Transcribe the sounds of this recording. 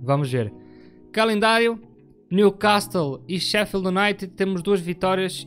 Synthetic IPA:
vɐmuʒveɾ | kɐlˠẽnd̪aɾju | njukaʃt̪ɐlˠiʃɛfilˠd̪unajt̪it̪emʊʒd̪uɐʒvit̪ɔɾjiɐʃ

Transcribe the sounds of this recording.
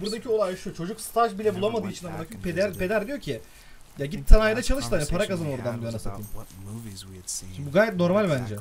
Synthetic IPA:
buɾd̪acʰio̞lˠajʃut͡ʃʰo̞d͡ʒukst̪ʰaʒbilʲɛbulˠamad̪ɯːit͡ʃʰinamad̪akʰped̪æɾpʰed̪æɾd̪ijoɾcʰi | jaɟit̪̚t̪ʰːanajad̪at͡ʃʰalˠɯʃt̪ɯhanipʰaɾakazanoɾd̪and̪ujanasat̪ɯːm | buɡaːjɛt̪̚no̞ɾmalʲbænd͡ʒɛ

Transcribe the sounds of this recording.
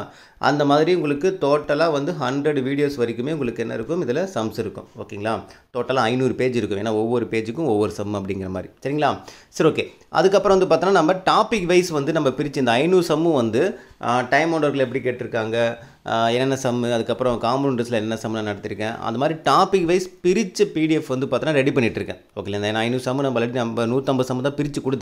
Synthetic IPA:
ʔɐ̰nd̪ɐmaːðɪɾiʊ̃ŋɡɐɭɯkːɯt̪oːʈːɐlaːʋɐnd̪ɯɦɐɳɖɾɐɽʋiːɽɪjoːsʋɐɾɪkːɯmeːʊŋɡɐɭɯkːɯɛnːɐ̰ɪɾɯkːɯmɪðɐlɐsɐmsɪɾɯkːʊ̰̃mo̰ːkeŋɡɐɭaːt̪oːʈːɐlãːɐɪnuːɾɯpeːd͡ʒɪɾɯkːʊmeːnːaːɔʋːɔɾɯpeːd͡ʒɯkːʊ̃ɔʋːɔɾɯsɐmːɐp̬ːɐɽɪŋɡɪɾɐmaːd̪ɾḭsɐɾɪŋɡɐɭaːsɐɾoːkeː | ʔɐ̰ðɯkːɐpːɾɐ̃ʋɐnd̪ɯp̬aːɾt̪ɪnːanɐmbɐʈaːpɪkʋɐɪsʋɐnd̪ɯnɐmːbɐpɪɾɪt͡ʃːɯɪnd̪ɐɐɪnuːɾsɐmːɯʋɐnd̪ɯʈɐɪmoːɖɐɾɣɐɭɛpːɐɽikeːʈːɪɾɯkːaːŋɡɐ | ɛnːɛnːɐsɐmːɯɐðɯkːɐpːɯɾɔ̃kaːmɾuːnɖɾɐsɪlɐɛnːɛnːɐsɐmːɯlanɐɽɐt̪ːɪɾɯkːẽːʔɐ̰nd̪ɐmaːd̪ɾiʈaːpɪkʋɐɪspɪɾɪt͡ʃːɯpiːɽɪɛfʋɐnd̪ɯpaːɾt̪ːnːaːɾɛɽipɐɳːɪʈːɪɾɯkːḛ̃ːoːkːeːlɐɪnd̪nɐɐɪnuːɾsɐmːɯnɐmbɐlːɐʈinɐmbɐnuːɾt̪ːɐmbɐðsɐmːɯt̪̬ãːpɪɾɪt͡ʃːɯkʊɽɯt̪ː

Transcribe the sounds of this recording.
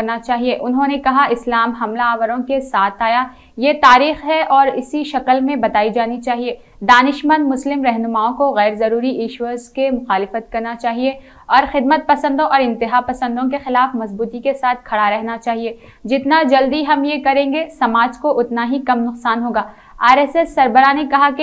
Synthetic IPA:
ɐɾnat͡ʃaːɦieʔʊnɦõnekɐɦaʔɪslaːmɦɐmlaːʋəɾõkesaːt̪ʰaːja | jet̪aːɾiːxɦɛʔɔːɾɪsiʃɐkəlmẽbɐt̪aːid͡ʒaːnit͡ʃaːɦie | d̪aːnɪʃmə̃nd̪mʊslɪmɾɛɦnʊmaːõkoɣɛːɾzɐɾuːɾiʔeːʃwəzkemʊxaːlɪfət̪kɐɾnat͡ʃaːɦie | ɔːɾxɪd̪̚mət̪̚pɐsə̃nd̪õʔɔːɾɪ̃nt̪ɪɦaːpɐsə̃nd̪õkexɪlaːfmɐzbuːt̪ikesaːt̪̚ʰkʰɐɽaɾɛɦnat͡ʃaːɦie | d͡ʒɪt̪nad͡ʒɐld̪iɦɐmjekɐɾẽːŋɡesɐmaːd͡ʒkoʔʊt̪naɦikɐmnʊqsaːnɦoːɡaː | aːɾɛsɛsːɐɾbəɾanekɐɦake

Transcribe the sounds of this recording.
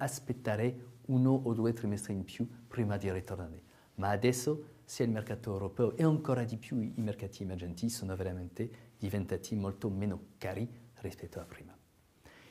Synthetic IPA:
aspet̪ːaɾeunoʔod̪uet̪ɾimɛst̪ɾimpjupɾimad̪iɾit̪oɾrnaɾe | maːd̪ɛsːosialmerkat̪oewɾopɛoʔeaŋkoɾad̪ipjuimerkat̪ʰiːmɛrd͡ʒɛnt̪isonoveɾamɛnt̪ed̪̥ivent̪at̪ʰimɔlt̪omenokaɾirispɛt̪ːoapɾiːma

